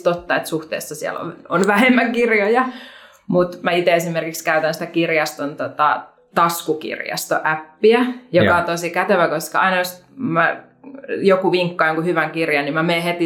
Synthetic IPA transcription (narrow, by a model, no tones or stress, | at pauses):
t̪ot̪ːɑet̪suht̪ḛːsːɑsiɛ̰lo̰onʋæhemːækirjojɑ | mut̪mæit̪eesimerkikskæyt̪ænsĭ̥t̪ækirjɑst̪ont̪ot̪ɑ | t̪ɑskukḭrjɑ̰st̪o̰ʔæpːiæjokɑt̪osikæt̪eʋækoskɑɑinɑjos | mæ | jokuʋiŋkːɑoŋkuhyʋæŋkirjɑnimæmeːhet̪i